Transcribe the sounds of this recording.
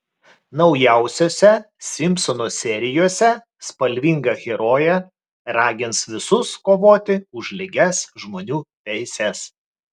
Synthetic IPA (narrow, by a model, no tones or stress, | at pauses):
nɒʊjæˑʊsʲoːsʲɛ | sʲɪmʲpsɔnoːsʲɛɾʲɪjoːsʲɛ | spɐlʲʋʲɪŋɡɐɣʲɛɾoːjɛ | ɾɑːɡʲɪnsʋʲɪsʊskoːʋoːt̪ʲɪʊʒʲlʲɪɡʲɛsʒmoːnʲuːt̪ʲɛɪsʲɛs